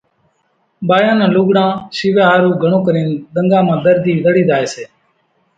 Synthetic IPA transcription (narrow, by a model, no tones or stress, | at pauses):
ɓaːjãːnãːlʊːɡɽãːʃiːʋãːɦaːɾuːɡʱəɳ̃õːkəɾiːnɗ̪əŋɡãːmãːd̪əɾd̪ʱiːʋəɽiːd̪aːeːseː